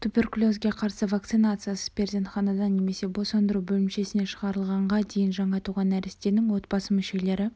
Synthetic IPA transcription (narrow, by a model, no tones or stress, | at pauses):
t̪ʰupʲe̞rklʲˠo̞zɡʲe̞qʰɑɾsəvak̚t̪sɨnat̪sɨjasə̥pʰʲe̞ɾzʲent̪χɑnɑd̪ɑnːe̞me̞se̞bo̞sɑnd̪əɾubɵlɪmʃe̞sɪne̞ʃəʁɑɾəlˠʁɑɴʁɑd̪e̞jɪnʒɑɴɑt̪uʁɑnæɾɪst̪e̞nɪŋwo̞t̪bɑsəmʏʃe̞le̞ɾɪ